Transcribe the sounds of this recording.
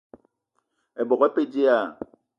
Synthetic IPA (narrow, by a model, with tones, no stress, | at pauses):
ɛ˨bɔ˨kɛ˦pe˦d͡ʒe˦a˦˨